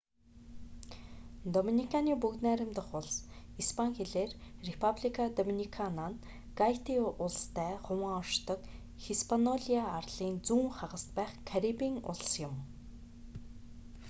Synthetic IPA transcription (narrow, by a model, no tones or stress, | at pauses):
d̪ɔminikʰaniːpukt̪næːɾʲɪ̆mt̪ə̆χʊɮs | ispʰaŋxeɮeːrrepʰapɮikʰad̪ɔminikʰanan | ɡ̥ajʰt̪iʊɮst̪ʰæːχʊmaːɔrʃt̪ɞ̆k | xispʰanɔɮiaːrɮ̥iːnt͡suːŋχaʁə̆st̪pæːχkʰːaɾipiːŋʊ̰ɮ̆sjʊ̆m